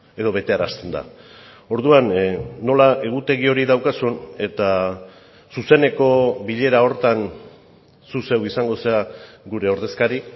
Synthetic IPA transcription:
e̞ðo̞βe̞t̪e̞aɾast̪e̞nd̪a̰ | o̞ɾðuanːo̞laʔe̞ɣ̞ut̪e̞ɣio̞ɾiðawkasune̞t̪a | suse̞ne̞ko̞biʎe̞ɾao̞ɾt̪an | suse̞wisaŋɡo̞sea | ɡuɾe̞o̞ɾðe̞skaɾi

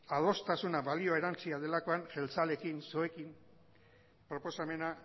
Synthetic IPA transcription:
að̞o̞st̪asunaβalio̞ae̞ɾant͡siað̞e̞lako̞anʝe̞lt͡sale̞kinsoekim | pɾo̞po̞same̞na

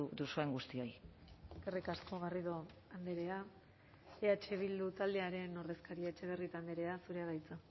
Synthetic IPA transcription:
d̪usueŋɡust̪io̞jkerikasko̞ɣ̞ariðoand̪eɾe̞a | eat͡ʃe̞β̞ild̪ut̪ald̪eaɾe̞no̞rðe̞skaɾiet͡ʃe̞β̞e̞rit̪and̪eɾe̞asuɾe̞aɾajt͡sa

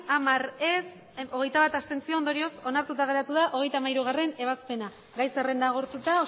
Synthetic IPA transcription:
amaɾes | o̞ɣ̞e̞jt̪aβat̪ast̪e̞nt͡siond̪o̞ɾio̞so̞naɾt̪ut̪aɣ̞e̞ɾat̪uðaʔo̞ɣ̞e̞jt̪amajɾuɣ̞are̞ne̞β̞aspe̞na | ɡajsere̞nd̪aɣ̞o̞ɾt̪ut̪ao

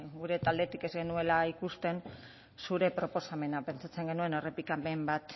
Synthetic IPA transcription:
ɡuɾe̞t̪ald̪e̞t̪ike̞zɡe̞nue̞laikust̪e̞n | suɾe̞pɾo̞po̞same̞nape̞nt͡sat͡se̞ŋɡe̞nue̞no̞re̞pikamembat̪

